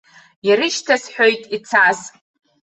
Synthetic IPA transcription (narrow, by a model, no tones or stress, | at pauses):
jaɾɨʃtʰasħojtʼit͡sʰas